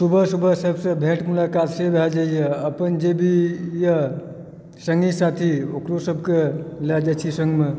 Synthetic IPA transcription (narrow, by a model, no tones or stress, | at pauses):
subʱəsubʱəsəbsə̃bʱẽʈmulakat̪sebʱɛd͡ʒajəəpənd͡ʒebʱijə | səŋɡisat̪ʰiokɾosəbʱkelɛd͡ʒat͡ʃʰisəŋɡme